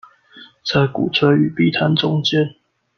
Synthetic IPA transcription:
t͡sʰa˧˥ɪkṵ˨˩t͡sʰə˧˥y˨˩pi˥˨t̪ʰa˨˦nʈ͡ʂʊ˦ŋt͡ɕjɛ˦n

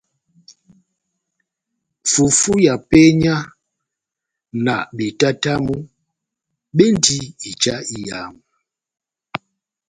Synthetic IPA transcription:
fu˨fu˦ja˨pɛ˦ɲa˦ | na̰˨ɓe˨ta˦ta˦mu˦ | ɓe˦n˦di˦i˨t͡ʃa˦i˦ja˨m˨

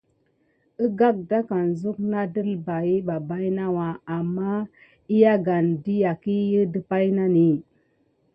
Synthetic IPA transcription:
ə˦ɡa˦k̚da˦ka˨nzu˦k̚na˦də˦lba˨ji˦ba˨ba˦jna˦wa˨a˨mːa˦ | i˦ja˦ɡa˨ndi˦ja˨ki˦jə˦də˦pa˦jna˦ni˨

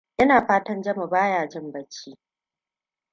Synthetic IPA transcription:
ʔɪ˦naː˨ɸaː˦tɐ˦nd͡ʒɐ˦ma˨baː˦jaː˨d͡ʒɪ˦mbɐ˦t͡ʃːiː˦

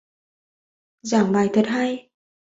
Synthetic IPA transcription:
zaː˧˩ŋɓaː˨˩jt̪ʰə˨˩t̚ɦaː˧j

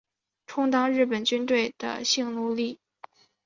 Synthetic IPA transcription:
ʈ͡ʂʰʊ˥ŋt̪ɑ˥ŋɻɻ̩˥˩pə˨˩nt͡ɕy˥nt̪we˥˩ɪd̪̥ə̰˩ɕi˥˧ŋlu˥˧li˥˩

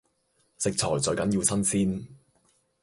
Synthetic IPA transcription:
sɪ˨k̚t͡sʰɔː˨˩jt͡sɔ˨˧jkɐ˨˥njiː˧wsɐ˥nsiː˥n

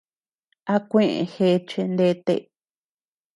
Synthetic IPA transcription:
a˧kʷẽ˦ʔḛ̃˨˧xe˧˦˧t͡ʃe˧nd̪e˧˦t̪ḛ˧˨

